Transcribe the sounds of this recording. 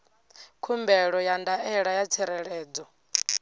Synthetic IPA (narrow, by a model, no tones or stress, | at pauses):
kʰumbɛɺɔjandaɛɺajat͡sʰɛɾɛɺɛːd͡zɔ